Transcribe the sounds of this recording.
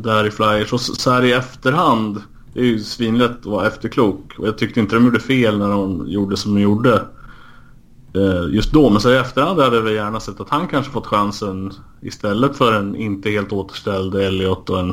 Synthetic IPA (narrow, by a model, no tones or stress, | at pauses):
d̪æɾɪflajəʂɔssæːɾɪɛft̪əɾhand̪ | æɾjɵsviːnlɛt̪ɔvaɛft̪əkʰluːkɔ̰jɑːɡ̚t̪ʰʏk̚t̪əɾɪnt̪əd̪ɔmjuːɖəfeːlnæɖɔmjuːɖəsɔmd̪ɔmjuːɖə | jɵst̪̚d̪ɔmɛnsæːɾɪɛft̪əɾhand̪had̪ːəavɛljæːɳasɛt̪ːat̪hankʰanʂə̥fɔt̪ːɧansən | ɪ̰st̪ɛlːət̪fœɾɛnɪ̰nt̪əheːlt̪oːt̪ə̥ʂʈɛld̪ɛlːɪɔt̪ːɔɛn